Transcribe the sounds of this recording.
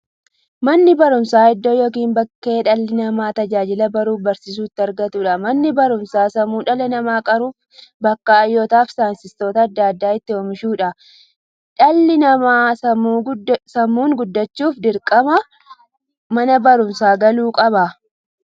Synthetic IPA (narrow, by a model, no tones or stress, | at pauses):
mɐnːɪbɐɾʊmsaːɪd̪ːoːjoːkiːmbɐkːe̞ːᶑɐlːɪnɐmaːt̪ɐd͡ʒaːd͡ʒɪlɐbɐɾuːfbɐɾsiːs̬uːt̪ːɪɐɾɡɐt̪uːᶑɐmɐnːɪbɐɾʊmsaːsɐmuːᶑɐlɐnɐmaːkʼɐɾuːf | bɐkːaːjːoːt̪aːfsaːnsɪst̪o̞ːt̪ɐːd̪ːaːd̪ːaːɪt̪ːɪhɔːmɪʃuːᶑɐ | ᶑɐlːɪnɐmaːsɐmːsɐmːuːŋɡʊd̪ːɐt͡ʃːuːfd̪ɪɾkʼɐmɐ | mɐnɐbɐɾʊmsaːɡɐluːkʼɐbɐ